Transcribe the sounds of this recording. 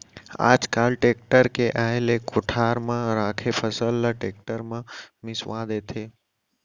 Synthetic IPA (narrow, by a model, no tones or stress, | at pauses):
a̰d͡ʒkaːlʈek̚ʈəɾkeʔaːelekʊʈʰaɾmãɾaːkʰepʰəsəlːəʈek̚ʈəɾmãmɪsʋãd̪et̪ʰe